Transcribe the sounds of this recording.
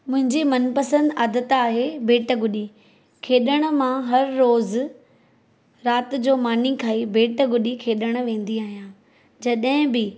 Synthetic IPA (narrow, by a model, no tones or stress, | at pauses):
mʊ̃ɦɪ̃ɲd͡ʑimɐnpɐsə̃nd̪aːd̪ət̪aːɦebeːʈəɡʊɗi | kʰeːɗəɽ̃ə̆mãɦɐɾːoːz | ɾaːt̪̆d͡ʑoːmaːnikʰaːibeːʈɡʊɗikʰeːɗəɽ̃̆ʋẽːn̆d̪iaːɦijãː | d͡ʑɐɗɦɪ̃bɪ